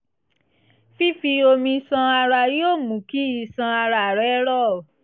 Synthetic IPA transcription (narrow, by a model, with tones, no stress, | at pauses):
fi˦fi˧o˧mĩ˧sã˧a˧ɾa˧joː˦˨mũ˨ki˦i˧sã˧a˧ɾa˧˨ɾɛ˨˦ɾɔ˦˨